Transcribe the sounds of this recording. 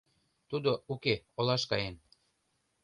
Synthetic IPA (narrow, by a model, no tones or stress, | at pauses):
t̪ud̪oukeolɑʃkɑjen